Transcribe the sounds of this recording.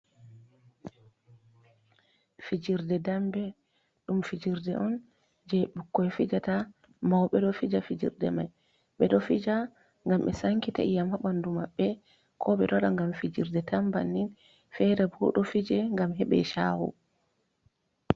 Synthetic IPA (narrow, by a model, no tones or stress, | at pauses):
fid͡ʒiɾdɛdambɛ | ɗumfid͡ʒiɾdɛʔɔn | d͡ʒɛɓukːɔjfid͡ʒata | mawɓɛɗɔfid͡ʒafid͡ʒḭɾdɛ̰ma̰j | ɓɛɗɔfid͡ʒa | ŋɡamɓɛsaŋkita̰ʔijamhaɓandumaɓːɛ | kʰɔɓɛɗɔɗaŋɡamfid͡ʒiɾdɛtamba̰nːin | fɛɾɛbuɗɔfid͡ʒɛŋɡamɦɛɓɛ̰ʃa̰wṵ